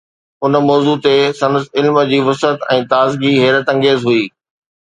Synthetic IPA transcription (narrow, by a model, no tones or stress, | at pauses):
ʊnmɔːzut̪esɐ̃nəsɪlmə̆d͡ʑiːʋʊsət̪ɛ̃ːt̪aːzɡiɦeːɾət̪ɐ̃ŋɡeːzɦʊiː